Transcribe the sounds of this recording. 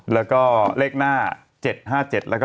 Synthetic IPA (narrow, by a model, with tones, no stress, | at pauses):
lɛː˦˥wkɔː˥˩leː˥˩k̚naː˥˩ | t͡ɕe˨˩t̪̚ɦaː˥˩t͡ɕe˨˩t̪̚lɛː˦˥kː